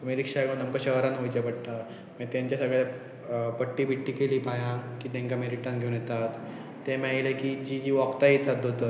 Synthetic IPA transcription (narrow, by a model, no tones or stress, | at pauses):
t̪əmiɾikʂaɡə̃nəmkəɕəɦɾanɦojt͡ɕapəɽʈ̪a | mə̃t̪jãɲt͡ɕjasəɡɭja | pəʈːiːbʱiʈːiːkeliːbʱajãkiːd̪ẽŋkameɾiʈəɾnɡʱeũnjɛt̪at̪ː | emãilekid͡ʑid͡ʑiːʋakt̪ait̪ʰat̪̚dot̪ə